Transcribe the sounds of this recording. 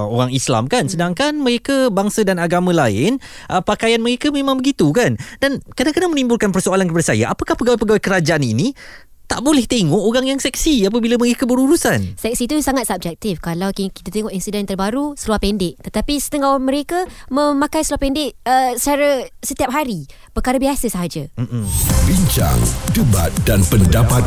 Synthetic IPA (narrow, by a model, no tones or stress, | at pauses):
o̰ɾaŋisla̰mkansədaŋkanməɾekabaŋsadanaɡamãlaɪnʔəpakajanməɾekamẽmãŋbəɡit̪ukandankədakənamənimbulkanpərsoalankəpadasaja̰ʔa̰pakahpəɡawɛpəɡawakəɾad͡ʒaʔanḭni | t̪aʔbolɛht̪eŋɔʔoɾaŋjaŋsɛk̚siap̬abilaməɾekabəɾuɾusansɛk̚sit̪usaŋat̪̚sab̚d͡ʒɛk̚t̪ifkalawkikit̪at̪eŋɔʔinsidɛnt̪ərbaɾusəluahpɛndɪʔt̪ət̪apisə̥t̪əŋamə̃ɾekamə̃mãkajsəluahpɛndɪʔəsət͡ʃaɾasət̪iap̚ɦaɾi | pərkaɾabiasəsaɦad͡ʒam̩m̩biɲt͡ʃa̰ŋdəba̰t̪̚danpəndapat̪̚